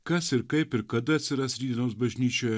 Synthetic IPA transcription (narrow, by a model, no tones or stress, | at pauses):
kɐsɪɾkɐɪpɪɾkɐd̪ɐɐt̪ʲsʲɪɾɐsɾʲiːd̪ʲɪnoːsbɐʒʲnʲiːt͡ʃʲoːj